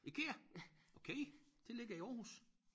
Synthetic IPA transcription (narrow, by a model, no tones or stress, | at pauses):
ikʰe̝ːɐʔokʰeɪd̥ʰe̝le̝ɡ̥ɐiɒːɦus